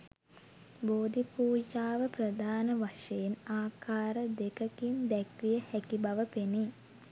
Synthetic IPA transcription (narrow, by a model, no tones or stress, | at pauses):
boːd̪ipuːd͡ʒaːʋəprəd̪ʱaːnəʋaʂejenaːkaːɾəd̪ekəkind̪ækʋijəhækibaʋəpeni